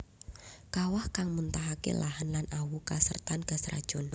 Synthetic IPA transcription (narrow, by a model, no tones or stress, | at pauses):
kawahkaŋmunt̪aɦakḛlaɦanlanʔawukasərt̪anɡ̥a̤sra̰d̥ʒ̥ɔ̤n